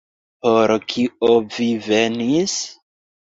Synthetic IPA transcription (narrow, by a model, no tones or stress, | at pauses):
poɾkʰiovivenis